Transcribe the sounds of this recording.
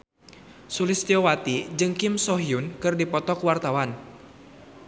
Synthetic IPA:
sulɪst̪iɔwat̪id͡ʒɨŋkɪmsɔɦiunkɨrdipɔt̪ɔkwart̪awan

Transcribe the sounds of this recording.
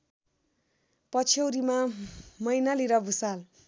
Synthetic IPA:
pʌt͡sʰʌwɾimamʌjnaliɾʌbʱusal

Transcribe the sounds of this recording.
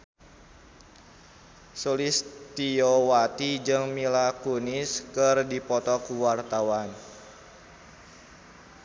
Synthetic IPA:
solist̪iowat̪id͡ʒɨŋmilakunɪskərdipɔt̪ɔkuwart̪awan

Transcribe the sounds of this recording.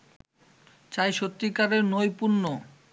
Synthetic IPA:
t͡ɕajʃot̪ːikaɾeɾnojpuɾno

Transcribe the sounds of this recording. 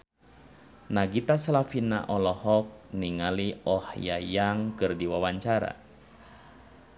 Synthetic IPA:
naɡit̪asalafina̰ʔɔlɔhɔk̚niŋaliɔhjajaŋkɨrdiwawaɲt͡ʃaɾa̰

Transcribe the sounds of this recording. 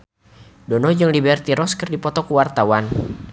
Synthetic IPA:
dɔnɔd͡ʒɨŋlibɛrt̪iɾɔskɨrdipɔt̪ɔkuwart̪awan

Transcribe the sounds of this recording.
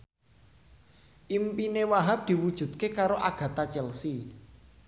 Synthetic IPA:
ʔimpinewaɦap̚d̪̥i̤wud̥ʒ̥ṳd̪̚kekaɾoʔaɡ̥ä̤t̪at͡ʃɛlsi

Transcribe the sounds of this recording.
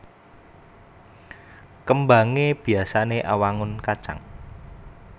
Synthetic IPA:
kəmbaŋeb̥i̤asaneʔawaŋʊnkḁt͡ʃa̰ŋ

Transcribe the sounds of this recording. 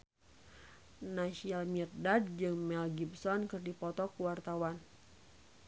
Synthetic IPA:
naʃialmirdad̚d͡ʒɨŋmɛlɡibsɔnkɨrdipɔt̪ɔkuwart̪awan

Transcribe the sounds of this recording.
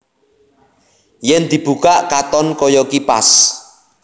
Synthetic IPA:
jɛnd̪̥i̤b̥ṳkaʔkat̪ɔnkɔjɔkipa̰s

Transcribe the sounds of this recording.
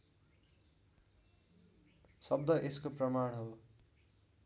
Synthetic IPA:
sʌbd̪ʌʔeskoprʌmaɽ̃ɦʌw

